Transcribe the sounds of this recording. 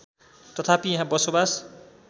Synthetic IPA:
t̪ʌt̪ʰapijãɦãbʌsobas

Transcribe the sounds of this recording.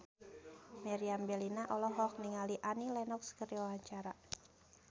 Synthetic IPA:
mɛɾiambɛlinaʔɔlɔɦɔk̚niŋaliʔanilɛnɔkskəɾiwawaɲt͡ʃaɾa

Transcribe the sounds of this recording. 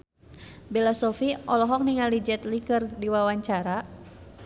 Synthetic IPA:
bɛlasɔfiɔlɔɦɔk̚niŋalid͡ʒɛt̪likərdiwawaɲt͡ʃaɾa

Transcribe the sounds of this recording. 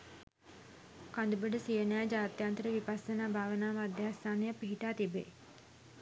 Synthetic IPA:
kand̪ubəɖəsijənaːd͡ʒaːt̪jant̪əɾəʋipasənaːbʱaːʋənaːmad̪jast̪aːnejapiɦiʈaːt̪ibḛː

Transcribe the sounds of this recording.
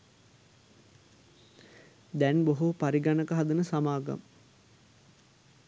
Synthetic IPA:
d̪ɛnboɦupaɾiɡanəkəɦɐd̪unəsamaːɡa̰m

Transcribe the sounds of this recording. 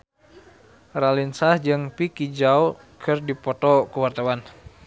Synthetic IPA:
ralinsahd͡ʒɨŋpikid͡ʒao | kʰɨrdipɔt̪ɔkuwart̪awan

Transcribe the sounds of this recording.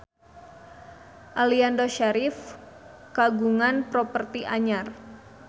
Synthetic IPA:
ʔaliandoʃaɾɪf | kaɡuŋanpɾɔpərt̪iʔaɲar

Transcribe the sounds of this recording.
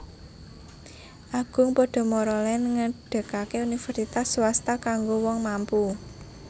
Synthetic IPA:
ʔaɡ̥ʊ̤ŋpɔɖ̥ɔ̤mɔɾɔlɛnŋəɖ̥ə̤kakeunifərsit̪aswast̪akaŋɡowɔŋmampu

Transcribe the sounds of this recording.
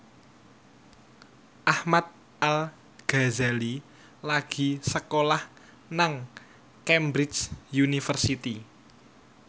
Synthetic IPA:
ʔahmat̪̚ | al | ɡ̥a̤zali | laɡ̥i̤səkolah | naŋ | kɛmbɾɪsjunifərsit̪i

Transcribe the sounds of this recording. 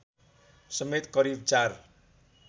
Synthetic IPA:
sʌmet̪kʌɾib̚t͡sar

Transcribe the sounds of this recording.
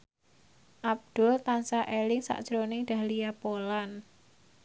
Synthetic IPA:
ʔab̚d̪̥ʊ̤lt̪ansaʔelɪŋsa̰ʔd̥ʒ̥ɾonɪŋdɖ̥ä̤lijapolan

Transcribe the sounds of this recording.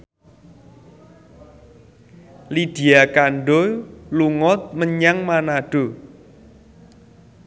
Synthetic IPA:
lid̪̥i̤akaɳɖoluŋɔt̪̚məɲaŋmanaɖ̥o̤

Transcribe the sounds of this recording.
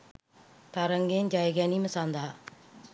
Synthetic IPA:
t̪aɾəŋɡeːnd͡ʒaːjɡɛːniməsaːnd̪a

